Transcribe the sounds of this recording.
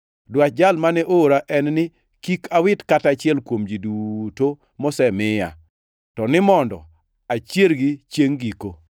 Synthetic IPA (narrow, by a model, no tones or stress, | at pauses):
dwat̚d͡ʒalmanɛʔoɾaʔɛnnɪ | kikawɪtkatat͡ʃɪɛlkwomd͡ʒiduto | mɔsɛmɪja̰ | tɔnɪmɔndɔ̰ | at͡ʃjelɡit͡ʃjeŋɡiko